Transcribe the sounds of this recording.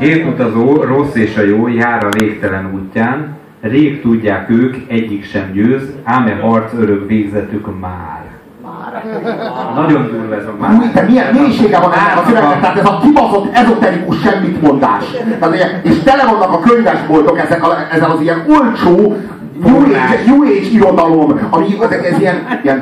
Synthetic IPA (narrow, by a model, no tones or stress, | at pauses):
ɡeːt̪ut̪ɒzoːro̞sːeːʃɒjoːjaːɾɒveːkt̪ɛlɛnuːcːaːn | reːkt̪uɟːaːkøːkɛɟːikʃɛmɟøːzhaːmɛɦɒrt̪søɾøkveːɡzɛt̪ykmaːr | ar | nɒɟo̞nd̪uɾuɛzmaut̪at̪miɛmeːɲiʃeːɡɛvɒnɛzɛkɒkøɾɛɛt̪t̪ːaɦat̪ɛzɒkibɒto̞t̪ːɛzot̪ɛɾikuʃʃɛmːit̪mo̞nd̪a̰ːʃt̪aːt̪ijɛeːʃt̪ɛlɛvonːɒkɒkøɲvɛʒbolt̪o̞kɛzɛkɒɛzɛlɒziɛnolt͡ʃoː | ɲueːd͡ʒjueːt͡ʃiɾo̞d̪ɒlo̞mɒmiɛzɛkɛzijɛniɛn